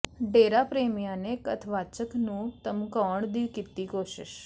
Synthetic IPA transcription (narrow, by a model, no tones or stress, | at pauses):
ɖeɾapɾemijanekət̪ʰʋat͡ʃəknũt̪əmkəɳd̪iʋkit̪ːikoʃɪ̰ʃ